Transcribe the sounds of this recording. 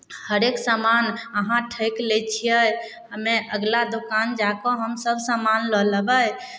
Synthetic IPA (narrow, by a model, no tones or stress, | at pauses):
həɾeksamanəɦãʈʰəjklet͡ʃʰijəj | əmeʔəɡlad̪okand͡ʒakɔɦəmsəbʱsamanlələbəj